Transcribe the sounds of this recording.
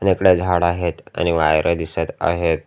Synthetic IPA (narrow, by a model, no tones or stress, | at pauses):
anekɽed͡zʱaɽaɦet̪a̰ñiʋajɾʔed̪iset̪a̰ɦet̪̚